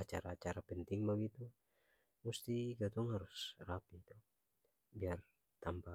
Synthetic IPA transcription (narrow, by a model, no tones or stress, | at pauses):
at͡ʃaɾaːt͡ʃaɾapənt̪ɪŋbaɡit̪u | must̪iɡat̪uŋhaɾʊsrapit̪u | biar | t̪ampa